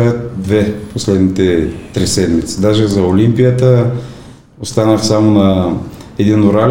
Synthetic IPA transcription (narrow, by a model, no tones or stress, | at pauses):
t̪d̪vɛposlɛd̪nit̪ɛt̪ɾisɛd̪mit̪sid̪aʒɛzɐolimpijət̪ə | ost̪anəxsamonɐ | ɛd̪inoɾal